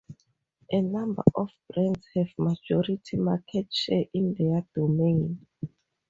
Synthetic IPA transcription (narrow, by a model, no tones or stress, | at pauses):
ʔɛnãmba̰ʔɔfb̥ɹɛ̃nshɛvmad͡ʒɔɹitʰimakʰɛt̚t͡ʃɛʔĩndɛad̥omẽn